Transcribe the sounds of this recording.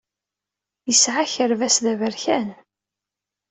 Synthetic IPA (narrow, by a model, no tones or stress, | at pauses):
jəsʕaçəɾvæsðævəɾçæn